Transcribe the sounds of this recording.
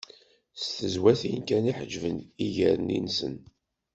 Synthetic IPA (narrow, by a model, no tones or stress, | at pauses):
st̪əzwæθinkæniħəd͡ʒvəniʝəɾənḭnsə̰n